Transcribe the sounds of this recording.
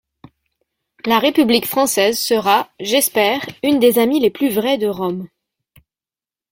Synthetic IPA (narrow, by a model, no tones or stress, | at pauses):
laʁepyblikfχɑ̃sɛzsəʁaʒɛspɛʁynd̪ezamileplyvʁɛd̪əʁɔm